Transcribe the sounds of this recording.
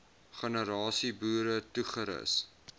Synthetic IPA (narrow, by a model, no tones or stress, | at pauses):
χənəɾɑːsibuːɾətuχəɾə̰s